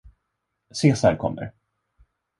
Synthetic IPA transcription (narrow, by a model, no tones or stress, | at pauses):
seːsaɾkʰɔmːə̰ɾ